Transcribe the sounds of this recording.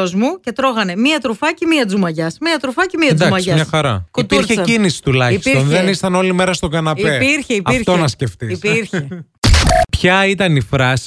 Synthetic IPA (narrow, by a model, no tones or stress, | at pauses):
ozmuce̞t̪ɾo̞ɣɐne̞miɐt̪ɾufɐcemiɐd͡zumɐʝɐsmiɐt̪ɾufɐcemiɐnzd̪uɐkmɐʝiɐmɲɐxɐɾɐ̰kuitpiɾçeinisi̥t̪ulɐçi̥stɾonðenist̪ɐno̞lime̞ɾɐst̪o̞ɡɐnɐpeiɾçeipɐifɾt̪onɐsce̞ft̪iispiɾçe | pçɐit̪ɐnifɾɐsi̥